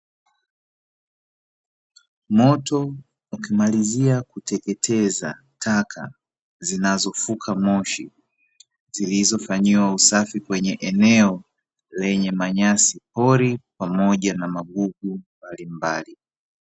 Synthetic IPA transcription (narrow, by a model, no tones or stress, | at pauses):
mɔtɔ | ukimaliziakutɛkɛtʰɛza̰ | tʰakʰa̰ | zinazɔfukʰamɔʃḭ | zilizɔfaɲiwausafikwɛɲɛʔɛnɛɔ | lɛɲɛmaɲasipɔɾipamɔʄanamaɡuɡumbalimbali